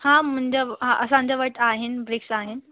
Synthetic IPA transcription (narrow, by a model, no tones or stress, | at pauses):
hãm̤əɳd͡ʑeɦãʔəsãɲt͡ɕaʋəʈaɦenbɾeksaɦen